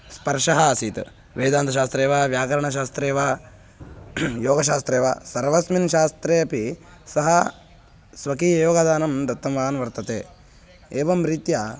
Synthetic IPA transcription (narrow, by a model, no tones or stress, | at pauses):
spɐɾʂɐɦɐsiːt̪ | ʋeːd̪aːnt̪ɐʃaːst̪ɾeːʋaːʋjaːkɐɾɐɳɐʃ̬aːst̪ɾeːʋa | joːɡɐʃ̬aːst̪ɾeːʋa̰ːsɐɾʋɐsminʃaːst̪ɾeːɐpi | sɐɦɐ | sʋɐkiːjoːɡɐd̪aːnɐmd̪ɐt̪ːɐmʋaːnʋɐɾt̪ɐt̪ḛː | eːʋɐmɾit̪ja